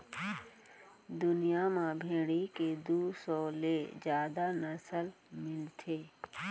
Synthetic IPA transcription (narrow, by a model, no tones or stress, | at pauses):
d̪ʊnijamãbʱẽːɽ̃iked̪uːsɔːled͡ʒjaːd̪anəsəl | mɪlt̪ʰeː